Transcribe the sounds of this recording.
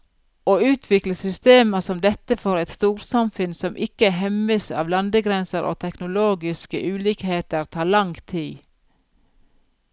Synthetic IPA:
oːʉːt̪ʰʋɪkləsʏst̪eːməsɔmd̪ɛt̪əfɔɾɛɪt̪st̪uːɾsɑmfʉnsɔmʔɪkəɦɛməsɑ̰ːʋlɑnd̪əɡɾɛnsəɾʔo̰ːt̪ʰɛknʊloːɡɪskə̰ʔʉːliːkheːt̪əɾt̪ʰɑːɭɑŋt̪ʰiː

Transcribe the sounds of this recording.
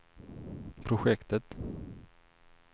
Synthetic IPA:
pʰɾʊɧɛkt̪ət̪

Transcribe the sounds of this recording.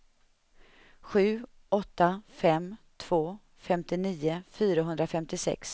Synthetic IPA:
ɧʉ̟ː | ʔɔt̪ːafɛmt̪ʰv̥oː | fɛmt̪ɪniːʊfyːɾaɦɵnd̪ɾafɛmt̪ɪsɛ̰ks

